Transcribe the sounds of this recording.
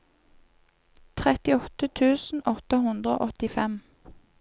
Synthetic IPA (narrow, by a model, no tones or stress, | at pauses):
t̪ʰʁɛt̪ɪɔt̪ət̪ʰʉːsn̩ʔɔt̪əhʊnd̪ʁəo̰ːʔɔt̪ɪfɛm